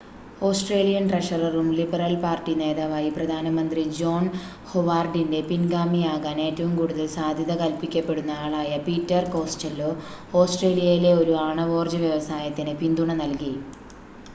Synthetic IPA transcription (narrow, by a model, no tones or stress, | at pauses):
o̞ːsʈre̞ːlijɐnʈrɐʂɐrɐrumlibɐrɐlpaːrtːine̞ːðaːʋaːjiprɐd̪ʱaːnɐmɐnd̪rid͡ʑo̞ːn | hoʋaːrɖinde̞pinɡaːmijaːɣaːne̞ːtːɐʋumkuːɽuðɐlsaːd̪ʱjɐðɐkɐlpikʲːɐpːe̞ɽunːɐaːɭaːjɐpiːtːɐrko̞ːsʈɐlo | o̞ːsʈre̞ːlijɐjile̞o̞ɾuaːɳɐʋo̞ːrd͡ʑɐʋjɐʋɐsaːjɐt̪ːinɨpind̪uɳɐnɐlki